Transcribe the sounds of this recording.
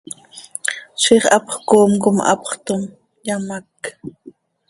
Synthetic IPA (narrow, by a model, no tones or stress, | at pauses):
ʃiːχʔɑpχkoːmkʊmʔɑ̰pχt̪ʊm | jamak